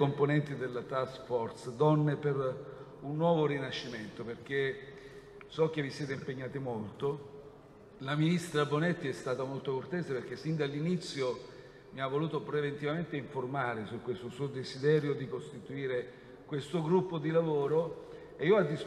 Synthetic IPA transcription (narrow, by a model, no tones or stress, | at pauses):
omponɛnt̪id̪elat̪asfɔrt̪sd̪ɔnːeper | unːwɔːvoɾinaʃːiment̪operk̟e | sɔk̟evːisjɛːt̪̬eimpeɲːaːt̪imolt̪o | laminist̪ɾabonet̪ːiɛst̪aːt̪amolt̪okort̪ɛːseperk̟esːind̪alːinit̪sːjo | miavːoluːt̪opɾevent̪ivament̪eiɱformaːɾesukːwest̪osuːod̪ezid̪ɛːɾjod̪ikost̪it̪uiːɾe | kwest̪oɡɾupːod̪ilavoːɾo | eiːoad̪ːis